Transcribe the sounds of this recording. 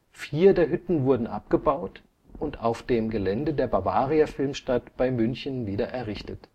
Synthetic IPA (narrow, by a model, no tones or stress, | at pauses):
fiːɐdeːɐɦʏtn̩vʊɐdn̩ʔa̰p̚ɡ̥əbaʊt | ʔʊntaʊfd̥eːmɡəlɛndədeːɐbava̰ːʁiafɪlmʃtatb̥aɪmʏnçən̩viːdɐʔɛɐʁɪçtət